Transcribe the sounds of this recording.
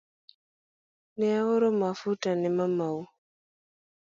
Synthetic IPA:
nɛaɣɔɾɔmafutanɛmamau

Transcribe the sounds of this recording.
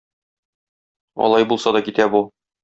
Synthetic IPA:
ɒ̰lˠɑjbulˠsɑd̪ɒkit̪æbu

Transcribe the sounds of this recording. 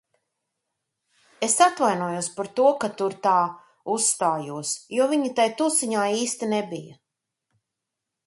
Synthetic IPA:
esat̪vajnuɔjuɔspaɾt̪uɔkat̪uɾt̪aː | usːt̪aːjuɔsjuɔviɲit̪ajt̪usiɲaːiːst̪inebijɐ̰

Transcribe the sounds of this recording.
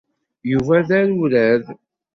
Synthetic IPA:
juvæðæɾulæð

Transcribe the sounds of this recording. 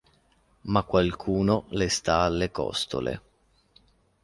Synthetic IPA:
makːwalkʰuːnolest̪aːlːekɔ̰st̪o̰lḛ

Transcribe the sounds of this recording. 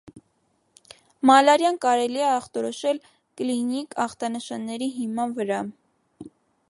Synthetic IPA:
mɑlɑɾjɑnkɑɾɛliɛɑχt̪ɔɾɔʃɛl | klinikɑχt̪ɑnəʃɑnːɛɾiɦimɑnvəɾɑ

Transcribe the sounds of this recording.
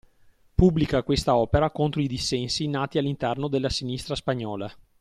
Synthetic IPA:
pubːlikakwest̪aɔːpeɾakont̪ɾoid̪isːɛnsinaːt̪ialːint̪ɛrnod̪elːasinist̪ɾaspaɲːɔːla

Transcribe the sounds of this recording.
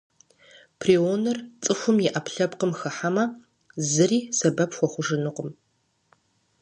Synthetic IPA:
pʰrionɐrt͡sʼɨxʷʊmjɪʔɐpʰɬɐpqəmxɨħamɐ | zɨriːsɐbɐpxʷɔχʷʊʐɨnɨqəm

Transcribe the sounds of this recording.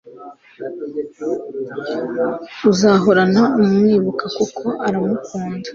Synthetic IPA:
uzaɦo̞ɾanaumŋiːβukakokʰo̞ʔaɾamukʰuːndḁ

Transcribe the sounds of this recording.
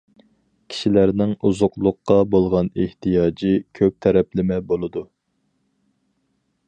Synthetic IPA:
kʲʰi̥ʃilæɾnɪŋuzʊqlˠʊqːɑbolˠʁɑneht̪ʰijɑːd͡ʒikʲʰøp̚t̪ʰɛɾɛplɪmɛbolˠɨd̪u

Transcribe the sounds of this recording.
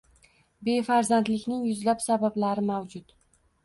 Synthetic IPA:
be̞faɾzand̪lɪkʲnɪŋjʊzlapsabablaɾɪmawd͡ʒʊt̪

